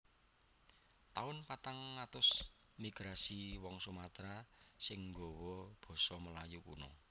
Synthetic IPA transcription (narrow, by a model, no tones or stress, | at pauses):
t̪aʊnpat̪aŋːat̪ʊs | miɡ̥ɾasiwɔŋsumat̪ɾasɪŋŋɡɔwɔb̥ɔ̤sɔməlajukṵnɔ